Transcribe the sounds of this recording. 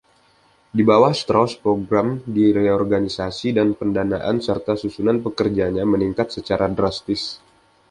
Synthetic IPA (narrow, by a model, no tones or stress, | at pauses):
dibawahst̪ɾaspɾoɡɾamdiɾeɔrɡanisasidanpəndanaʔa̰nsərt̪asusunanpəkərd͡ʒaɲaməniŋkat̪̚sət͡ʃaɾadɾast̪ɪs